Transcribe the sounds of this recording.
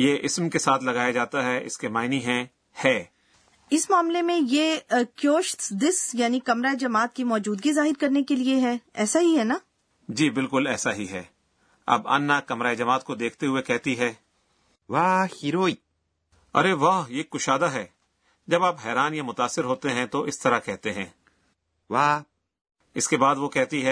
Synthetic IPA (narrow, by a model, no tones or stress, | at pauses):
jeːʔɪsmkesaːt̪ʰlɐɡaːjad͡ʒaːt̪aɦɛɪ̰skemaːɪniɦɛ̃ | hɛː | ɪsmaːmlemẽjeːkjoːʃt̪d̪ɪsjaːnikɐmɾaːed͡ʒɐmaːt̪̚kimɔːd͡ʒuːd̪ɡizaːɦɪɾkɐɾnekelieɦɛːɛːsaɦiɦɛnaː | d͡ʒiːbɪlkʊlɛːsaɦiɦɛ̰ː | ɐ̰bɐ̰nːakɐmɾaːed͡ʒɐmaːt̪̚kod̪eːkʰt̪eɦʊekɛɦt̪iɦɛː | ʋaːhiɾoːiː | ɐ̰ɾeʋaːɦjeːkːʊʃaːd̪aɦɛː | d͡ʒɐbaːpɦɛːɾaːnjamʊt̪aːsːɪɾɦoːt̪eɦɛ̃t̪oʔɪst̪ɐɾakɛɦt̪eɦɛ̃ː | ʋaː | ɪskebaːd̪ʋokɛɦt̪iɦɛ